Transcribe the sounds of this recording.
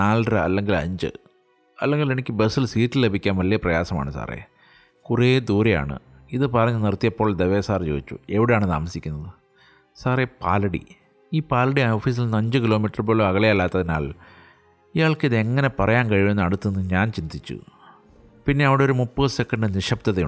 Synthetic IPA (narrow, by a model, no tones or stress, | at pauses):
naːlrɨɐ̰lːe̞ŋɡilɐ̰ɲd͡ʑɨ̰ | ɐlːeŋɡile̞nikʲːɨbesilsiːʈːille̞bʱikʲːaːnʋɐlijɐprɐjaːsɐma̰ːɳɨsa̰ːrḛ | kured̪uːɾɐja̰ːɳɨ̰ | iðɨpɐrɐɲːɨnirt̪ːijɐpːoːɭd̪eʋeːsaːrt͡ɕo̰ːit͡ɕːṵe̞ʋiɽejaːɳɨt̪a̰ːmɐsikʲːunːɐðɨ | saːrepa̰ːlɐɽḭ | iːpaːlɐɽioːfiːs̬ilnːɐɲd͡ʑɨkilo̞ːmiʈːɐrboːluɐɣɐɭejɐlːaːt̪ːɐðina̰ːɭ | ijaːɭkɨiðɨeŋːɐne̞pɐrɐjaːnkɐɻijumenːɐɽut̪ːunːuɲaːnt͡ɕind̪it͡ɕːṵ | pinːe̞ɐʋiɽeoɾumupːɨsekːɐɳɖɨniʂɐp̚t̪ɐðɐu